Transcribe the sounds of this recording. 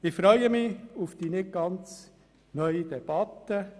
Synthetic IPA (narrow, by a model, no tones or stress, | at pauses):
ɪfɾœʏəmɪufd̥iːnɪɡ̚ɡ̥ɑnt͡s | nœʏid̥̪ɛb̥ɑt̪ːə